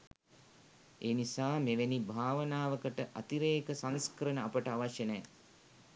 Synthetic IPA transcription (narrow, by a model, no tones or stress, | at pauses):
eːnisaːmeʋenibʱaːʋənaːʋəkəʈəʔat̪iɾeːkəsanskəɾənəapəʈəaʋaʃjənɛː